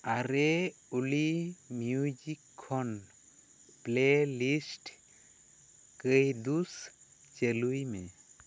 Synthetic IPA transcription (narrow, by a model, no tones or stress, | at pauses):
aɾeulimjud͡ʒikʰːɔn | plelisʈ | kəjd̪us | t͡ʃelujmɛ